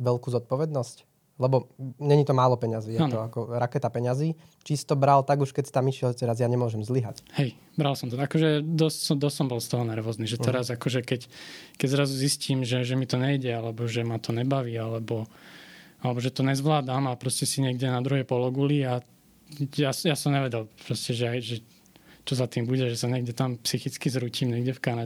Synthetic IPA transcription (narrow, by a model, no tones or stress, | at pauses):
ʋɛlkuːzɔt̪̚pɔʋɛd̪nɔsc | lɛbɔɲɛɲit̪ɔmaːlɔpɛɲaziːjat̪ɔakɔɾakɛt̪apɛɲaziː | t͡ʃist̪ɔbɾalt̪aɡuʃkɛcsi̥t̪amiʃɪɛlt̪ɛɾazjaɲɛmʊɔʒɛmzliɦa̰chɛj | bɾalsɔmt̪ɔakɔʒɛd̪ɔssɔd̪ɔssɔmbɔlst̪ɔɦɔnɛɾʋɔzniːʒɛt̪ɛɾazakɔʒɛkɛckɛɟzɾazuzisciːmʒɛʒɛmit̪ɔɲɛiɟɛalɛbɔʒɛmat̪ɔɲɛbaʋiːalɛbɔ | alɛbɔʒɛt̪ɔɲɛzʋlaːd̪amapɾɔscɛsiɲɛɡɟɛnad̪ɾuɦɛpɔlɔɡulia | jasjasɔmɲɛʋɛɟɛlpɾɔscɛʒɛajʒɛ | t͡ʃɔzat̪iːmbuɟɛʒɛsaɲɛɡɟɛt̪ampsixit͡skizɾuciːmɲɛɡɟɛfkanaɛ